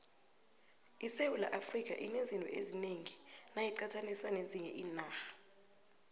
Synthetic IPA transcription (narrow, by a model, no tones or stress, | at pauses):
isewula̰ʔafrik̬ʼa̰ʔinezintʼɔ̰ezineŋinajiǀatʰaniswaneziɲɛʔiːnaːxḁ